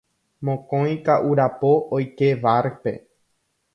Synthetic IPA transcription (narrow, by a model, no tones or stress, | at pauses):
mõkõj̃kaʔuɾapoʔojkeʋaɾpe̞̰